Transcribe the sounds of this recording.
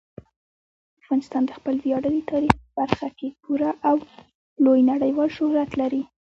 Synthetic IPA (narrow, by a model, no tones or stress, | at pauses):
afɣɑnɪst̪ɑnd̪əxpəlvjɑɽəlit̪ʰɑɾixpəb̥aɾxakepuɾaʔaw | lojnaɽəjwɑlʃʊhɾat̪laɾi